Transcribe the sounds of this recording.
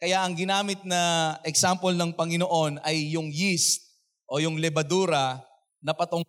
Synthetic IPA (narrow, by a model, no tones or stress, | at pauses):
kɐjaʔɐŋɡɪnaːmɪt̪̚nɐʔɛksampolnɐŋpɐŋɪnoʔo̞nɐjːʊŋjist̪̚ | ʔo̞jʊŋlɛbɐd̪uːɾɐ | nɐpɐt̪o